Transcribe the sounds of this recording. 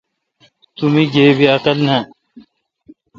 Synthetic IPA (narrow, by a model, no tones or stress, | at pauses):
t̪umiɡeːbiɐqɐlnɐ̃